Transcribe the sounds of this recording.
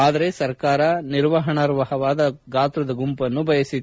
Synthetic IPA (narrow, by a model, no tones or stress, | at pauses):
aːd̪ɐɾe̞sɐɾkaːɾɐniɾʋɐɦɐɳaːɾʋɐɦɐʋaːd̪ɐɡaːt̪ɾɐd̪ɐɡumpɐnːubʱɐjɐsi